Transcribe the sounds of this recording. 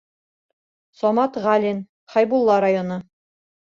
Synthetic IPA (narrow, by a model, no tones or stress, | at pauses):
sɒmɑt̪ʁɑlʲin | χɑjbulˠːɑɾajonɤ